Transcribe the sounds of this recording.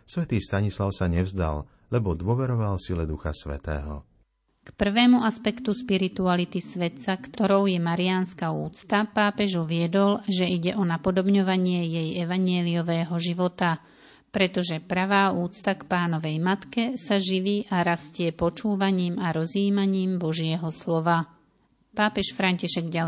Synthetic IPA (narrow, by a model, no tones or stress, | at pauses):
sʋɛt̪iːst̪aɲislaʊsaɲɛvzd̪a̰l | lɛbɔd̪ʊɔʋɛɾɔʋalsilɛd̪uxa̰sʋɛ̰t̪ɛ̰ːɦɔ̰ | kpr̩ʋɛːmuaspɛkt̪uspiɾit̪ualit̪isʋɛt̪sakt̪ɔɾɔʊjɛmaɾiaːnskauːt͡st̪apaːpɛʒuʋɪɛd̪ɔlʒɛiɟɛʔɔnapɔd̪ɔbɲɔʋaɲɪɛjɛjɛʋaɲjɛliɔʋɛːɦɔʒiʋɔt̪a | pɾɛt̪ɔʒɛpɾaʋaːuːt͡st̪akpaːnɔʋɛjmat̪kɛsaʒiʋiːʔaɾascɪɛpɔt͡ʃuːʋaɲiːmaɾɔziːmaɲiːmbɔʒɪɛɦɔslɔʋa | paːpɛʃfɾaɲciʃɛɡɟa